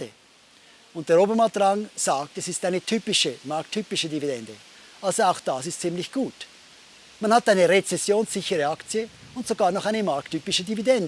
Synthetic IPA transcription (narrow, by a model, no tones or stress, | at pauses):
ə | ʊnt̚d̥eːɐoːbəmat̚d̥ʁɑŋz̥aːk̚tɛsɪstaɪnətʰyːpɪʃəmaɾk̚tʰːyːpɪʃədividɛndə | ʔalzoaʊxd̥asɪstt͡sɪmlɪçɡ̥uːt | manhataɪnəʁet͡sɛsjoːnsz̥ɪçəʁəakt͡sjə | ʊntsoɡaːɐnɔχaɪnəmaɾk̚tʰyːpɪʃədividɛndə